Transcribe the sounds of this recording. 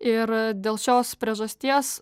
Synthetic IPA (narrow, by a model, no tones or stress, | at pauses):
ɪɾd̪ʲeːlˠʃʲoːspʲɾʲiɛʒɐsʲt̪ʲiɛs